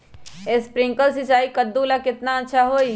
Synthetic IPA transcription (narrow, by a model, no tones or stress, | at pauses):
espɾɪ̃ŋkəlsɪt͡ʃaːikəd̪ːuːlakɪt̪naɐtːʃʰaɦoːi